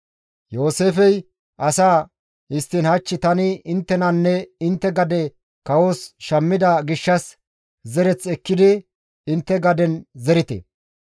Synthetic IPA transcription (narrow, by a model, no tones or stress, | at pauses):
jo̞ːseːfɛj | ʔɐsaː | ɪst̪ːɪnhɐt͡ʃːɪt̪ɐnɪɪnt̪ːɛnɐnːɛɪnt̪ːɛɡɐd̪ɛ | kɐwoːsʃɐmːɪd̪ɐɡɪʃːɐs | zɛɾɛt͡sɛkːɪd̪ɪ | ɪnt̪ːɛɡɐd̪ɛnzɛɾɪt̪ḛ